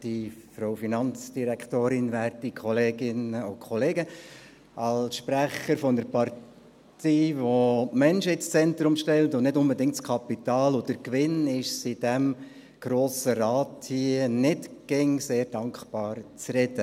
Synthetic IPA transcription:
d̥ifɾofinɑnt͡sd̥iɾækχtoːɾɪnʋæːɾtikʰχɔleːɡɪnəʊkʰχɔleːɡə | ʔɑlsʃpɾæχəɾfɔnəɾpɑɾ | tʰiːvomɛnʃɪt͡st͡sɛnt̪ɾʊmʃtɛltʊnnɪtʊnbədɪŋk̚tskʰɑpit̪ɑːlʊdəɾkʋɪnɪʃsɪdɛm | ɡ̥ɾoːsəɾɑːthiənɪtɡ̥ɪŋseːɾd̥ɑŋkb̥ɑːɾt͡srɛdə

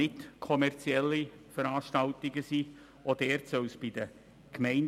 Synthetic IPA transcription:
ɪtkʰɔmɛrt͡siɛlːi | fəɾaːʃtɑltɪɡəsi | ʔodɛːɾtsœwsb̥id̥ə | kmɛɪn

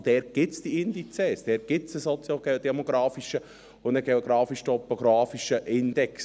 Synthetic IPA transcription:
d̥̪ɛːɾ̚ɡ̥ɪtt͡sd̥iɪnd̪it͡sɛːsd̥̪ɛːɾ̚ɡ̥ɪtt͡səsɔt͡sjoɡ̥eod̪ɛmoɡɾɑːfiʃə | ʊndəɡeoɡɾɑːfiʃtopːoɡɾɑːfiʃəʔɪnd̪ɛks

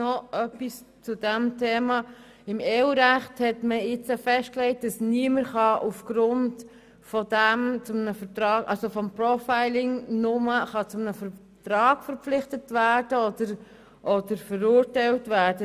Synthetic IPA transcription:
nɔʔœpis | t͡sʊdɛmtʰeːmɑ | ɪmeːuɾæχthɛtməɪt͡səfɛʃt̚klɛɪt̚d̥ɑsniəməɾχɑʔufɡ̥ɾʊnt | fɔd̥æmt͡sʊmnəfətɾɑːkʔɑlsofɔmpɾɔfaɪlɪŋnʊməχɑt͡sʊmənəfə | tɾɑːɡfəɾpflɪχtətvæːɾd̥əɔd̪əɾ | ʔɔd̥əɾfəɾʊːɾtɛɪltvæːɾdə

